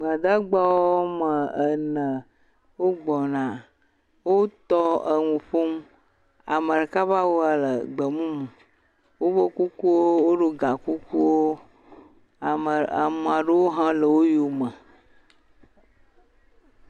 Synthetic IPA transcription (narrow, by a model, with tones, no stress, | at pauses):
m˨a˨d̪a˦ɡ͡ba˦wo˦mə˨ə˨nə̃˨ | wo˦ɡ͡bɔ˨nã˨ | wo˦t̪ɔ˦ə˨ŋũ˨ɸo˦m˦ | a̰˨mə˨ɖə˨ka˦βa˦wo˦a˨lə˨ɡ͡bə˨mũ˦mũ˨ | wo˦βo˦ku˦ku˦wo˦wo˦ɖo˦ɡa˨ku˦ku˦wo˦ | a˨mə˨a̰˨mũ˨a˨ɖə˦wo˦ɦã˦lə˨wo˦ju˨mə˨